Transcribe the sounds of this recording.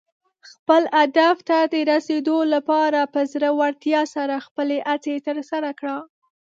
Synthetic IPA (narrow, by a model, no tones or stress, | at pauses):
xpəlad̪aft̪ad̪əɾased̪olapɑɾapəzɾəwaɽt̪jɑsaɾaxpəleʔat͡set̪əɾsaɾakɽa